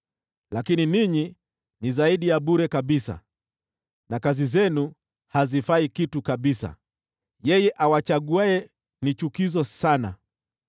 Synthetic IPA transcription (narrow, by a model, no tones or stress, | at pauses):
lakininiɲi | nizaiɗijaɓuɾɛkaɓisa̰ | nakazizɛnu | hazifaikitukaɓisa̰ | jɛjɛʔawat͡ʃaɠuaɛ | nit͡ʃukizɔsana̰